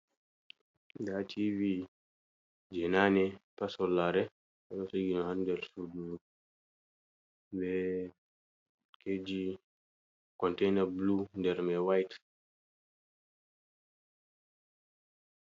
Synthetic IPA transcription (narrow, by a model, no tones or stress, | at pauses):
datʰivi | d͡ʒɛnanɛpasɔlːaɾɛ | alɔsoɡinɔhandɛɾsuduu | bɛ | kʰed͡ʒi | kɔntɛnɛɾblundɛɾmɛwajt